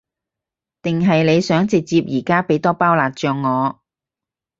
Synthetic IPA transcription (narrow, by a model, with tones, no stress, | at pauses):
t̪ɪ˨ŋɦɐ˨jle˨˧jsœː˨˥ŋt͡sɪ˨k̚t͡siː˧p̚jiː˨˩kaː˥pe˨˥jt̪ɔː˥paː˥wlaː˨˩t̚t͡ʃœː˧ŋːɔː˨˧